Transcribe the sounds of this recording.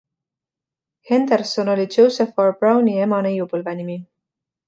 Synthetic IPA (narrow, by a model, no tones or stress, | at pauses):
he̞nd̪̥ersono̞lʲidʒ̥owseforb̥rɑwnie̞mɑnejupɤlvenimi